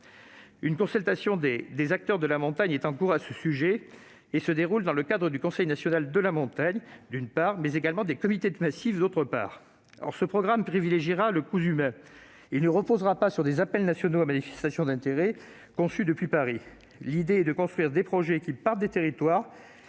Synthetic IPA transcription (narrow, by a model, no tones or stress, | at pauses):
ynkɔ̃sɛlt̪asjɔ̃d̪ed̪ezak̚t̪œʁd̪əlamɔ̃t̪aɲɛt̪ɑ̃kuʁasəsyʒeː | səd̪eʁuld̪ɑ̃ləkad̪ʁəd̪ykɔ̃sɛjnasjɔnald̪əlamɔ̃t̪aɲd̪ynpaʁmɛzeɡalmɑ̃d̪ekɔmit̪ed̪əmasivd̪ot̪χəpa̰ːʁ | ɔ̰ʁsəpχɔɡʁampχivileʒiʁaləkuzymɛ̃ | ilnəʁəpozʁapasyʁd̪ezapɛlnasjɔnoamanifɛ̥st̪asjɔ̃d̪ɛ̃t̪eʁɛ | kɔ̃syd̪əpɥipaʁi | lid̪eɛd̪əkɔ̃st̪χɥiʁd̪epχɔʒɛkʲipaʁt̪̚d̪et̪eʁit̪waːʁ